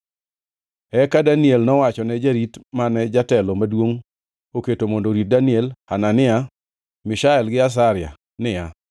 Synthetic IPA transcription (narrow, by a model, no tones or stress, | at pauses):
ɛkadaniɛlnɔwat͡ʃɔnɛd͡ʒaɾitmanɛd͡ʒatɛlomadwoŋ | oketomondoɾit̚daniɛlhananɪa | mɪʃaɛlɡɪas̬aɾɪa̰ | nɪja